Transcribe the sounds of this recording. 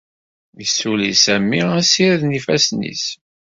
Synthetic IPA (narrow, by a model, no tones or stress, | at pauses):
jəsːulisæmːiæsiɾðnifæsnḭs